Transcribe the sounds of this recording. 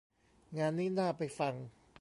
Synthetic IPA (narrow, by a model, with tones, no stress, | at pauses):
ŋaː˧nːiː˥˩naː˥˩pa˧jfa˧ŋ